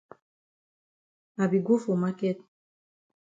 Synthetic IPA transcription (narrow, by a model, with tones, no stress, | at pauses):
a˨bi˨ɡu˦fo˨ma˦kɛ˦t̪̚